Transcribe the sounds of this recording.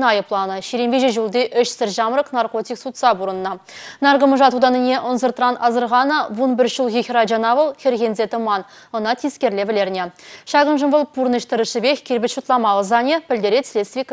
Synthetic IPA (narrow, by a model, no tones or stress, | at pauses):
nɑjəplˠɑnəʃeɾembʲeʒeʒulˠd̪eʔʏʃsɪɾʒɑmɾəqnɑrko̞t̪ʲijksut̪sɑbuɾənənɑnɑɾɡəməʒɑt̪ud̪ɑnɪnʲeʔʊnzəɾt̪ɾɑnʔɑzəɾʁɑnəwonbɪɾʃəlˠɣʲexʲɾɑd͡ʒɑnɑvəlˠxʲeɾɣʲenzet̪əmɑn | ənɑt̪ʰeskʲe̞ɾlevɪle̞ɾɪnʲeʃɑʁənʒəmbolˠpʰːuɾnəʃt̪ɪɾɪʃɪbexʲkʲʰeɾbɪt̪ʃut̪lˠɑmɑlˠəzɑnʲepʰʲɪld̪eɾet̪slʲest̪vʲijk